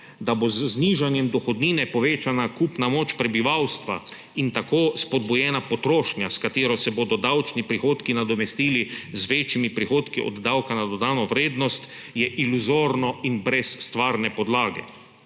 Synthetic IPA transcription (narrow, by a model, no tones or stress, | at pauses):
d̪abozːniːʒanjɛmd̪ɔxɔd̪niːnɛpɔʋeːt͡ʃanakupnamoːt͡ʃpɾɛbiʋawst̪ʋa̰ | int̪akoːspɔd̪̚bujɛːnapɔt̪ɾoːʃnjaskat̪eːɾɔsɛboːd̪ɔd̪awt͡ʃnipɾixoːt̪kinad̪ɔmɛst̪iːlizʋeːt͡ʃjimipɾixoːt̪kiʔɔ̰d̪ːawkanad̪ɔd̪aːnɔʋɾeːd̪nɔst̪ | jɛʔiluzoːɾnɔinbɾɛsːt̪ʋaːɾnɛpɔd̪laːɡɛ̰